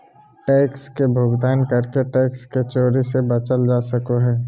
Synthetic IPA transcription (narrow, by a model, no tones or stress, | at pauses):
ʈɛːkskebʱoːɡd̪aːnkəɾkeʈɛːksket͡ʃoːɾisebɐt͡ʃəld͡ʒaːsəkoɦɛː